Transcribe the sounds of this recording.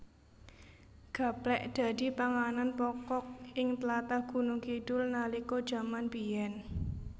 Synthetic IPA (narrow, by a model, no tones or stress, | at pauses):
ɡ̥ä̤plɛʔd̪̥ä̤d̥i̤paŋananpɔkɔk̚ɪŋt̪lat̪aɡ̥ṳnʊŋkiɖ̥ʊlnalikod̥ʒ̥a̤manbijɛn